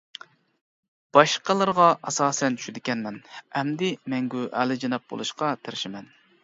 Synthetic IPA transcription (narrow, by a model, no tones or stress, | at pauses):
b̥ɑʃqəlˠɨɾʁɑʔɑsɑːsɛnt͡ʃʰy̥ʃyd̪ɪkʲɛnmɛnɛmd̪ɪmɛŋɡʲuʔæ̰lɪd͡ʒɑnɑp̚bo̰lˠuʃqɑt̪ʰɪɾʃɪmɛn